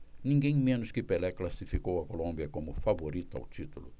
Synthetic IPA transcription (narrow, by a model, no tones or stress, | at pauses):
nĩŋɡẽj̃mẽnʊskɪpelɛklasifikowɐkolõmbjɐkõmʊfavoɾit̪ʊa̰wt͡ʃ̪it̪ulʊ